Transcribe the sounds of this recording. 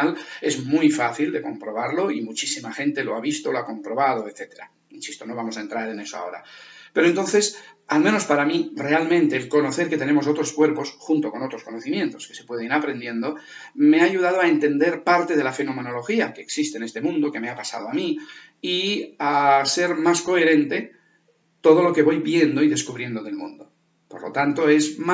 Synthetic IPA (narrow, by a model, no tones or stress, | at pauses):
ale̞zmujfaθild̪e̞ko̞mpɾo̞β̞aɾlo̞imut͡ʃisimaxe̞nt̪e̞lo̞aβist̪oloako̞mpɾo̞βað̞o̞et̪θe̞t̪e̞ɾa̰ | insist̪o̞no̞β̞amo̞saent̪ɾaɾe̞ne̞soa̰o̞̰ɾa̰pe̞ɾoent̪o̞nθe̞s | almeno̞spaɾamire̞almẽ̞nt̪e̞ːlko̞no̞θe̞ɾket̪e̞ne̞mos̬o̞t̪ɾo̞skwe̞ɾposxunt̪o̞ko̞no̞t̪ɾo̞sko̞no̞θimjẽ̞nt̪o̞̥skese̞̥pwe̞ð̞enapɾe̞nd̪je̞nd̪o̞ | me̞aːʝuð̞að̞oaent̪e̞nd̪eɾpaɾt̪e̞ð̞e̞lafe̞no̞me̞no̞lo̞xiake̞ːksist̪e̞ːnest̪e̞mũnd̪oke̞me̞apasa̰ð̞oami | iase̞ɾmasko̞e̞ɾẽ̞nt̪e̞ | t̪o̞ð̞o̞lo̞ke̞βo̞jβje̞nd̪o̞iðe̞skuβɾje̞nd̪oðelmṵ̃nd̪o̞ | po̞ɾlo̞̰t̪ant̪o̞ezm